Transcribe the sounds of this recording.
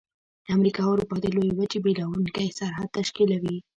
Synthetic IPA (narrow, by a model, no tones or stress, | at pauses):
d̪̥əamɾikɑwaɾupɑd̪əlojwəd͡ʒebelawunkajsaɾɦad̪̚t̪aʃkilawi